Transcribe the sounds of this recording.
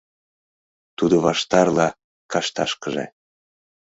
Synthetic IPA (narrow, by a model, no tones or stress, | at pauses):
t̪ud̪oβɑʃt̪ɑrlɑ | kɑʃt̪ɑ̰ʃkəʒḛ